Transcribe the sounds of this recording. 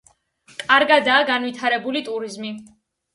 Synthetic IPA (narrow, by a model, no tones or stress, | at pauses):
kʼaɾɡad̪aːɡanwit̪ʰaɾɛbulit̪ʼuɾizmi